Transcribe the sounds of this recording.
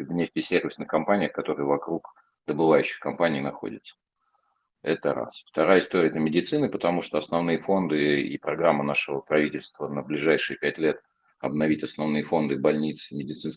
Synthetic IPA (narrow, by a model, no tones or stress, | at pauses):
vnʲefʲtʲɪsʲervʲɪsnɨxkɐmpanʲɪjəxkɐt̪o̞ɾɨjəvɐkɾuk | d̪əbɨvajʉɕːɪ̥xkɐmpanʲɪiːnɐxo̞̰dʲɪ̰t̪sə̥ | ɛt̪əɾa̰sft̪ɐɾajəɪst̪o̞ɾʲɪəɛt̪əmʲɪdʲɪt̪sɨnɨpət̪ɐmuʂt̪oɐsnɐvnɨjəfo̞nd̪ɨḭpɾɐɡɾamːənaʂɨvəpɾɐvʲitʲɪlʲst̪vənəblʲɪʐajʂɨjəpʲætʲlʲe̞t̪ | ɐ̰bnɐvʲitʲɐsnɐvnɨjəfo̞nd̪ɨbɐlʲnʲit̪sɨmʲɪdʲɪt̪sɨns